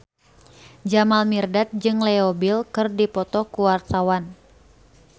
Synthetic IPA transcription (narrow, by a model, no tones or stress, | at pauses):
d͡ʒamalmirdat̪̚d͡ʒɨŋlɛobilkɨrdipɔt̪ɔkuwart̪awan